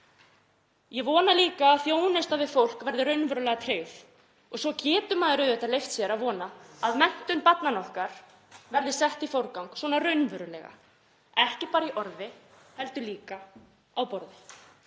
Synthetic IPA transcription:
jɛvɔːnaliːkaːðθjoːwnɪst̪aðvɪfowl̥kvɛɾðɪɾœɥnvœɾʏlɛɣat̪ʰɾeːɥθ | ɔɣsɔcɛːt̪ʏmaːðɪɾœɥðɛht̪alejft̪sjɛɾaðvɔːnaaðmɛn̥t̪ʏnpat̪nanɔhkaɾ̥ | vɛɾðɪsɛht̪ifowɾkawŋkswɔːnarœɥnvœɾʏlɛ̰ɣa̰ | ɛhcɪpaːɾaiʔɔɾðɪ | hɛlt̪ʏliːka | awpɔɾðɪ

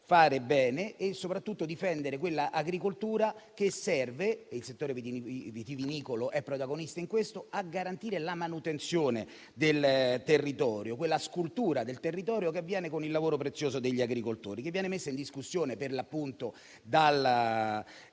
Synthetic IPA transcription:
faːɾebɛːneːsːopɾat̪ːut̪ːod̪ifɛnd̪eɾekwelːaʔaɡɾikolt̪uːɾakesːɛrveilset̪ːoːɾevvt̪iviniːkoloʔɛpːɾot̪aɡonist̪aiŋkwest̪oaɡaɾant̪iːɾelamanut̪ent̪sjoːne | d̪elt̪erːit̪ɔːɾjokwelːaskult̪uːɾad̪elt̪erːit̪ɔːɾjok̬eavːjɛːnekonilːavoːɾopɾet̪sːjoːsod̪eʎːiaɡɾikolt̪o̰ːɾikevːjɛːnemesːaind̪iskusːjoːneperlapːunt̪o | d̪al

